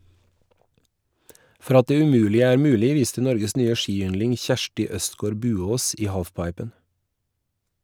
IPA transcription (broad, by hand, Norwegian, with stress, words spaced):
ˈfɔɾ ˈɑt ˈdeː ʉˈmʉːlɪə ˈæːɾ ˈmʉːlɪ ˈʋiːstə ˈnɔɾɡəs ˈnyːə ˈʃiːˌʏnlɪŋ ˈçæʃʈɪ ˈœstˌɡoːɾ ˈbʉːˌoːs ˈiː ˈhɑːfˌpɑɪpən